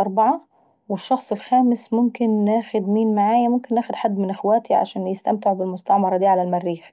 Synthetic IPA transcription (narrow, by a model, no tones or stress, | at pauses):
ʔɑɾˤbɑʕɑ | wɪʃːɑxsˤɪlxæːmɪsmʊmkɪnːæːxʊd̪miːnmaʕaːjæmʊmkɪnːæːxʊd̪ħad̪ːmɪnʔɪxwæːt̪ʰiʕa̰ʃæːnjɪst̪æmt̪ɪʕbɪlmʊst̪aʕmɑɾˤɑd̪iːʕalælmærːiːx